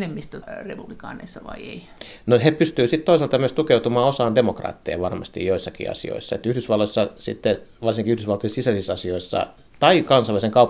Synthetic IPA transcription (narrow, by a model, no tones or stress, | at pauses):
nemːist̪ærepub̥likɑ̰ːnḛisːɑʋɑ̰iḛi | nohepyst̪yːsit̪t̪oisɑlt̪ɑmyøst̪ukeut̪umɑːosɑːndemokrɑ̰ːt̪ːḛjɑ̰ʋɑrmɑst̪ḭjjoisːɑkḭɑ̰sḭo̰isːɑḛt̪yhdysʋɑlːosːɑsit̪ːeʋɑrsiŋkiyhdysʋɑlt̪oesisæsisɑsioisːɑ̰ | t̪ɑikɑnsɑlʋæliseŋkɑup